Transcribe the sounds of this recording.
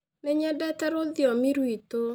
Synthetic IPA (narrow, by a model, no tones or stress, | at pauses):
neɲɛdɛtɛɾoðjɔmiɾwito